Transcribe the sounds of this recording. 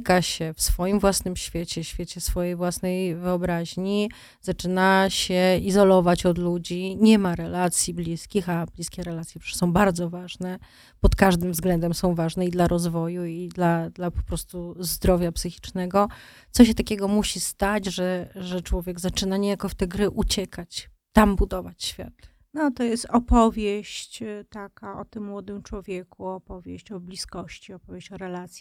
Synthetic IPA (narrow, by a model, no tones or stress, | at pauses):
kaɕɛfsfɔjimvwasnɘmɕfʲjet͡ɕɛɕfʲjet͡ɕɛfsfɔjejvwasnɛjvɘɔbɾaʑɲi | z̥at͡ʂɘnaɕɛizɔlɔvat͡ɕɔd̪lud͡ʑiɲɛmaɾɛlat̪sʲjiblʲiskʲixablʲiskʲɛɾɛlat̪sʲjɛʂsɔ̃w̃baɾd̪zɔvaʐnɛ | pɔt̪kaʐd̪ɘmvzɡlɛnd̪ɛmsɔ̃w̃vaʐnɛid̪laɾʔɔzvɔjuid̪lad̪lapɔ̥pɾɔst̪uzd̪ɾɔvʲjapsɘxʲi̥t͡ʂnɛɡɔ | t̪sɔɕ̬ɛt̪akʲɛɡɔmuɕist̪ad͡ʑʐɛʐɛt͡ʂwɔvʲjɛɡzat͡ʂɘnaɲejakɔft̪ɛɡɾɘʔut͡ɕɛkʰat͡ɕ | t̪ambud̪ɔvat͡ɕɕfʲja̰t̪ | nɔt̪ɔjɛst̪ɔpɔvʲjeɕt͡ɕt̪akaɔt̪ɘmːwɔd̪ɘmt͡ʂwɔvʲjɛkuɔpɔvʲjeɕt͡ɕɔblʲiskɔɕt͡ɕiɔpɔvʲjeɕt͡ɕɔɾɛlat̪sʲji